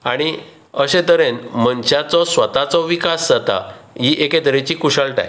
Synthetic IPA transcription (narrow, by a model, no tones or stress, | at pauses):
aɽ̃i | əɕẽt̪əɾenmənɕjat͡sɔsʋət̪at͡sɔʋikasd͡zat̪a̰ɦiʔeket̪əɾet͡ɕiːkuɕəɭʈa̰j